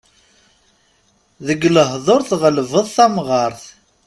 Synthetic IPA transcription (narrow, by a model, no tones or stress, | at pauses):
ðəɡləɦðˤoɾθʁəlvəðˤθæmʁɑɾˤθ